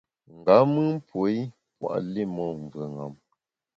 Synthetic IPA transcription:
ŋ̩˨ɡa˨˦mɨ˦m˦pwo˨˦i˦ | pwa̰˦˨ʔli˦˨mɔ˦˨ɱ˨və˨ŋa̰˨m

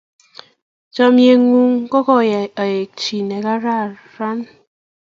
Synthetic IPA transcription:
t͡ʃɔ˨mje˨ŋu˦ŋkɔ˦kɔ˦˨ja˨je˨k̚t͡ʃi˨ne˨ka˦ɾa˦ | ɾa˦n

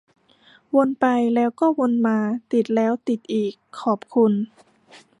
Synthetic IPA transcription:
wo˧npa˧jlɛː˦˥wkɔː˥˩wo˧nmaː˧t̪i˨˩t̪̚lɛː˦˥wt̪i˨˩t̪̚ʔiː˨˩kʰːɔː˨˩p̚kʰu˧n

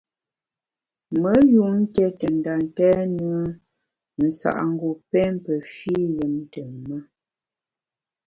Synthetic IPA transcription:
mə˦ju˨ŋ̩˦kɛ˦tə˨n˨da˨ŋ˨kɛː˦nə˦ə˦ | n̩˨sa̰˨ʔŋ̩˦ɡo˨pɛ˦mpə˨fi˦jə˨m˦tə˨mə˦

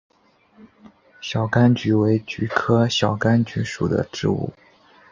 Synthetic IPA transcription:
ɕjɑ˨˩ʊka˥nt͡ɕy˧˥we˧˥ɪt͡ɕy˧˥kʰɤ˥ɕjɑ˨˩ʊka˥nt͡ɕy˧˥ʂu˨˩d̪ə̰˦ʈ͡ʂɻ̩˥˧ṵ˥˩

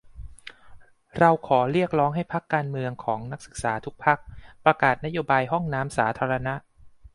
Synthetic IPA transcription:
ɾa˧wkʰɔː˩˦ɾi˥˩ək̚ɾɔː˦˥ŋɦa˥˩jpʰa˦˥kːaː˧nmɯ˧əŋkʰɔː˩˦ŋna˦˥k̚sɯ˨˩k̚saː˩˦t̪ʰu˦˥k̚pʰa˦˥k̚pɾa˧kaː˨˩t̪̚na˦˥joː˧baː˧jɦɔ˥˩ŋnaː˦˥msaː˩˦t̪ʰaː˧ɾa˧na˦˥ʔ

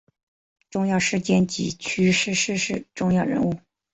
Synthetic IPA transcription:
ʈ͡ʂʊ˥˧ŋjɑ˥˧ʊʂɻ̩˥˧t͡ɕjɛ˥˩nt͡ɕḭ˧˥˩t͡ɕʰy˥ʂɻ̩˥˧ʂɻ̩˥˧ʂɻ̩˥˩ʈ͡ʂʊ˥˧ŋjɑ˥˩ʊɻə̰˧˥nu˥˩

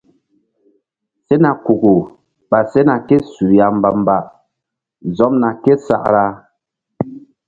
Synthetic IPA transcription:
sɛ˦na˨ku˨ɡu˨ | ba˨se˦na˨kɛ˦su˨ja˨m̩˦ba˨m˦ba˨ʔ | zɔ˦mna˨kɛ˦sa̰˨ʔɾa˦

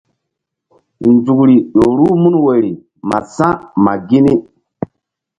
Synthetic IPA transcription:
nd͡zu˨kɾi˨ɗo˨ɾu˦mu˦nwe˨ɾi˨ | ma̰˨sã˦ma˨ɡi˦ni˦

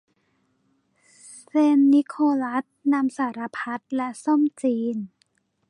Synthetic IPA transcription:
seː˧nːi˦˥kʰoː˧la˦˥t̪̚na˧msaː˩˦ɾa˧pʰa˦˥t̪̚lɛ˦˥ʔso˥˩mt͡ɕiː˧n

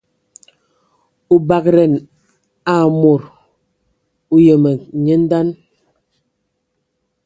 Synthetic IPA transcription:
u˦ba˨k̚ɾɛ˨n | a˨mo˨ɾ | u˦jə˨mə˨ɲə˦n̩˦da˦n

